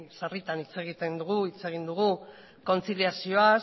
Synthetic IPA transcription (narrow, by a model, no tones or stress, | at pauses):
sarit̪anit͡se̞ɣ̞it̪e̞nd̪uɣuit͡se̞ɣ̞ind̪uɣ̞u | ko̞nt͡silijasio̞a